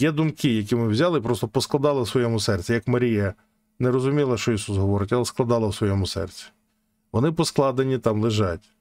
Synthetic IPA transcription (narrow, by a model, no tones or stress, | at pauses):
jɛd̪ʊmkɪjɐk̬ʲimɪwzʲɑlˠɪpɾɔst̪ɔpɔsklˠɐd̪ɑlˠɐwsʋɔjɛmʊsɛrt͡sʲijɐkmɐɾʲijɐ | nɛɾɔzʊmʲilˠɐʃt͡ʃɔisusɦɔʋɔɾɪtʲɐlˠɛsklˠɐd̪ɑlˠɐwsʋɔjɛmʊsɛ̰rt͡sʲi̥ | ʋɔnɪpɔsklˠɑd̪enʲit̪ɑmlˠɪʒɑtʲ